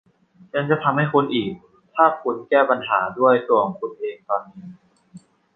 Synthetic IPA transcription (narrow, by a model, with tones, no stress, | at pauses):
ja˧ŋt͡ɕa˨˩t̪ʰa˧mha˥˩jkʰo˧nʔiː˨˩k̚ | t̪ʰaː˥˩kʰu˧nkɛː˥˩pa˧nɦa̰ː˩˦du˥˩əjsu˧˩˨ŋkʰu˧nʔeː˧ŋt̪ɔː˨˩nniː˧˥